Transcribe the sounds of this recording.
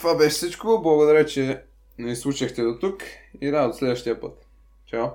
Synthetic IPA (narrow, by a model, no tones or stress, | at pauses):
t̪vabɛʃɛ̥sit͡ʃkooblˠɐɡod̪ɐɾɛt͡ʃɛ | nɛslˠuʃɐxt̪ɛd̪ot̪ukiɾad̪d̪oslɛd̪vəʃt̪iɐpət̪ | t͡ʃaw